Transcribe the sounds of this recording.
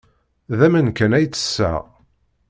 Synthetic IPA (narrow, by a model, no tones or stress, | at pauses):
ðæmənkænæjt͡sːə̥sːæ̰ʁ